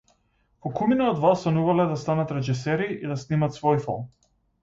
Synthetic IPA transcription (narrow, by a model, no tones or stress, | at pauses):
vɔkuminaɔd̪vast̪anuvalɛd̪ast̪anat̪ɾɛʒisɛɾiʔid̪asnimat̪svɔjfɔ̰lˠm